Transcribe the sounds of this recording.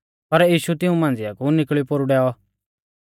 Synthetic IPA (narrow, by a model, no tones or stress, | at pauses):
pɐɾjiːʃut̪ɪũmãːnd͡zɪjakunɪkɭipoːɾuɖɛːɔ